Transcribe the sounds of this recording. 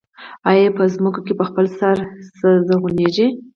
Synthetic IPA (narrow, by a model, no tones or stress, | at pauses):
ajepəzmukokepəxpəlsaɾsəzəɣuneʒi